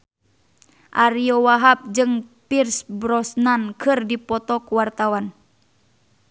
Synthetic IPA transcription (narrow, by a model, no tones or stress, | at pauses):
ʔaɾiɔwaɦap̚d͡ʒɨŋpirsbɾɔsnankʰɨrdipɔt̪ɔkuwart̪awan